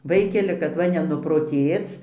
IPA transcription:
ˈʋɐɪkʲɛlʲɪ kɐt ˈʋɐ nʲɛnʊproːˈtʲeːt͡s

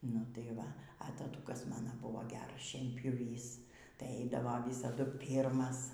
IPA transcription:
nʊ tɐɪ ˈʋɐ ɐ tɐˈtʊkɐs ˈmɑːnɐ ˈbʊʋoː ˈɡʲæːrɐs ʃʲiɛnʲpʲjʊˈʋʲiːs tɐɪ ˈɐɪdɐʋoː ˈʋʲiːsɐdʊ ˈpʲiːrmɐs

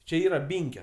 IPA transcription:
t͡ʃʲɛ ˈiːrɐ ˈbʲɪŋʲkʲoː

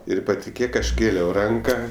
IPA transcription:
ˈɪr pɐtʲɪˈkʲeːk ˈɐʃ ˈkʲeːlʲɛʊ ˈrɐŋkɐ

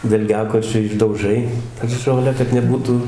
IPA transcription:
dɐlʲˈɡʲæːkoːt͡ʃʲʊ ɪʒdɐʊˈʒɐɪ ˈʒoːlʲæː kɐt nʲɛˈbuːtʊ

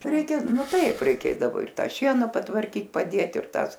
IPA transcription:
ˈrʲɛɪkʲɛ ˈnʊ ˈtɐɪp ˈrʲɛɪˈkʲeːdɐʋoː ɪr ˈtɑː ˈʃʲiɛnɑː pɐtʋɐrʲˈkʲiːt pɐˈdʲeːt ɪr ˈtɑːs

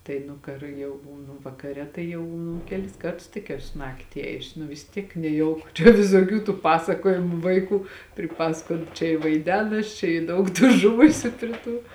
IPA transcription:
ˈtɐɪ nʊ kɐr ˈjɛʊ ˈbuːnʊ ʋɐkɐˈrʲɛ tɐɪ ˈjɛʊ ˈnʊ ˈkʲæːlʲɪs ˈkɐrtʊs tʲɪk ˈæːsʊ ˈnɑːktʲɪ ˈeːjʊsʲɪ nʊ ʋʲɪs ˈtʲiɛk nʲɛˈjɛʊkʊ t͡ʃʲɛ ʋʲɪsoːˈkʲuː tuː ˈpɑːsɐkoːjɪmʊ ˈʋɐɪˌkuː pʲrʲɪˈpɑːsɐkoːt t͡ʃʲɛ ɪ ʋɐɪˈdʲæːnɐs t͡ʃʲɛ ɪ ˈdɐʊk tuː ˈʒʊʋʊsʲʊ pʲrʲɪ ˈtuː

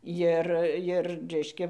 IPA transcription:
ˈjɪr ˈjɪr ˈrʲɛɪʃʲkʲɛ

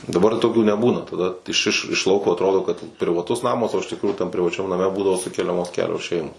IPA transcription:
dɐˈbɐr toːˈkʲuː nʲɛˈbuːnɐ tɐˈdɐ ɪʃ ɪʃ ɪʃ ˈlˠɐʊkoː ɐtˈroːdoː kɐt pʲrʲɪʋɐˈtʊs ˈnɑːmɐs oː ɪʃ tʲɪkˈruːjuː tɐm pʲrʲɪʋɐˈt͡ʃʲɛm nɐˈmʲɛ ˈbuːdɐʋoː ˈsʊkʲɛlʲɛmoːs ˈkʲæːlʲoːs ˈʃʲɛɪmoːs

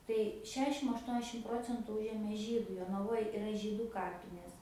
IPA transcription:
tɐɪ ˈʃʲæːʃʲɪm ɐʃˈtuɔnʲɛʃʲɪm ˈproːt͡sʲɛntʊ ˈʊʒʲeːmʲeː ˈʒʲiːdɐɪ joːnɐˈʋoːj ɪˈrɐ ˈʒʲiːdʊ ˈkɑːpʲɪnʲeːs

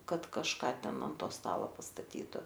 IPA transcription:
ˈkɐt kɐʃˈkɐ ˈtʲɛn ɐn ˈtoː ˈstɑːlˠɐ pɐstɐˈtʲiːtʊ

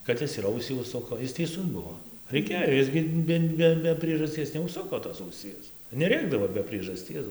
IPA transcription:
kɐt ˈɪs ɪr ˈɐʊsʲiː ʊʃˈsʊkoː ˈɪs tʲɛɪˈsʊs ˈbuɔ rʲɛɪˈkʲeːjoː ˈɪs ɡʲɪ ˈbʲɛ ˈbʲɛ bʲɛ pʲrʲiɛʒɐsʲˈtʲiɛs nʲɛʊʃˈsʊkoː toːs ɐʊˈsʲiɛs nʲɛˈrʲeːɡdɐʋoː bʲɛ pʲrʲiɛʒɐˈsʲtʲiɛs

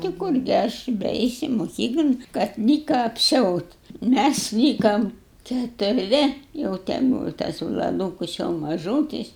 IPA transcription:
tʲɪ ˈkʊrʲɡʲɪ ˈɐʃ bʲɛˈɛɪsʲɪ moːˈkʲiːklˠoːn kɐt nʲɪ ˈkɑː ɐpʲˈsʲɛʊtʲ ˈmʲæs ˈlʲiːkɐm kʲɛtʊrʲˈʋʲɪ jɛʊ tʲɛ ˈbuːʋɐ tɐs ʋlˠɐˈduːkʊs jɛʊ mɐˈʒuːtʲɪs

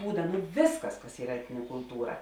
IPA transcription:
ˈbuːdɐ nʊ ˈʋʲeːsˌkɐs kɐs ˈiːrɐ ˈæːtʲnʲɪnʲɛ kʊlˠˈtuːrɐ

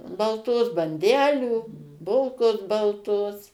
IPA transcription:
bɐlˠˈtoːs bɐnʲˈdʲæːlʲuː ˈbʊlˠkoːs bɐlˠˈtoːs

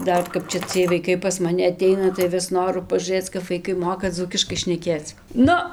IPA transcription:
ˈdɐr ˈkɐp t͡ʃʲɛ ˈt͡sʲiɛj ʋɐɪˈkɐɪ pɐs mɐˈnʲɪ ɐˈtʲɛɪnɐ tɐɪ ˈʋʲɪs ˈnoːrʊ pɐʒuːˈrɘt͡s kɐp ʋɐɪˈkɐɪ ˈmoːkɐ ˈd͡zuːkʲɪʃkɐɪ ʃʲnʲɛˈkʲeːt͡s ˈnʊ

